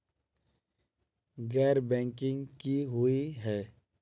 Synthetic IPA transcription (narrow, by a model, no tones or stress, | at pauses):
ɡɛːɾbɛ̃ːŋkɪ̃ŋɡkiɦʊiɦɛː